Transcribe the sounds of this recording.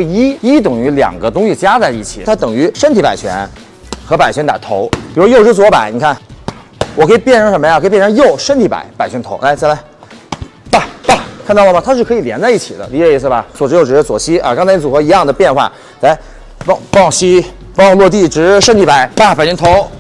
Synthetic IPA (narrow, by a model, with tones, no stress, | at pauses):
ɡi˥i˥t̪ɤ˨˩ŋy˧˥ljɑ̰˨˩ŋɡə˦t̪ʊ˥ŋɕi˧˨t͡ɕja˥t͡sa˥˧ɪi˥˩t͡ɕʰḭ˨˩t̪ʰa˥t̪ɤ˨˩ŋy˧˥ʂə˥nt̪ʰi˧˥pa˨˩ɪt͡ɕʰɥɛ̰˧˥n | xɤ˧˥pa˨˩ɪt͡ɕʰɛ˧˥nt̪a̰˨˩t̪ʰo̰˧˥ʊpi˨˩ɻʂwjo˥˩ʊʈ͡ʂɻ̩˥˩t͡swɔ˧˥pa˨˧˩ɪni˨˩kʰa˥˩n | wɔ˨˩kʰɤ˧˥i˨˩pjɛ˥˩nʂʰŋʂə˧˥məjkʰɤ˧˥˩pjɛ˥˩ʂʰŋjo˥˩ʊʂə˥nt̪ʰi˧˥pa̰˨˧˩ɪpa˨˩ɪt͡ɕʰɥɛ˧˥nt̪ʰo˧˥ʊʔa˧˥ɪt͡sa˥˩ɪla˧˥ɪ | pa˥˩pa˥˧˩kʰnɑ˥˩ʊlə˩mɐ˩t̪ʰa˥ʂɻ̩˥˩kʰɤ˧˥i˨˩ljɛ˧˥nt͡sa˥˧ɪi˥˩t͡ɕʰi˨˩d̪ə̰˦li˧˥t͡ɕɛ˧i˧˥sɹ̩˧˩bɐ˩swɔ˨˩ʈ͡ʂ̩ɻjo˥˩ʊʈ͡ʂɻ̩˧˩ə˧t͡swɔ˨˩ɕi˥ʔa̰˧˩kɑ˥ŋt͡sʰa˧ɪni˧˥t͡su˨˩xɤ˧˥i˧˥jɑ˥˩ŋd̪ə˩pjɛ˥˧nxwa̰˥˩ | la˧˥ɪ | fɑ˥˧ŋfɑ˥˩ŋɕi˥ | fɑ˥˧ŋlwɔ˥˧t̪̬i˥˩ʈ͡ʂɻ̩˧˥ʂə˥nt̪ʰi˧˥pa˧˩˦ɪpa˥˩pa˨ɪt͡ɕʰɥɛ˥nt̪ʰo˧˥ʊ